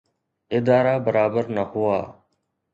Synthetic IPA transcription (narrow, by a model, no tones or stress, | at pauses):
ɪd̪aːɾaːbəɾaːbəɾnəhʊaː